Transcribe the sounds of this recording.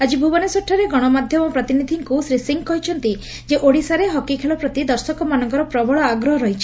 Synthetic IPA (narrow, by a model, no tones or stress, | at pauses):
ad͡ʒibʱubɔnesɔʈʰːɔɾeɡɔɽ̃ɔmad̪ʱjɔmɔpɾɔt̪inid̪ʱiŋkusɾisiŋɡkɔɦit͡ʃʰɔnt̪i | d͡ʒeʔoɽisaɾeɦɔkikʰeɭɔpɾɔt̪id̪ɔɾsɔkɔmanɔŋkɔɾɔpɾɔbɔɭɔaɡɾɔɦɔɾɔɦijt͡ʃʰi̥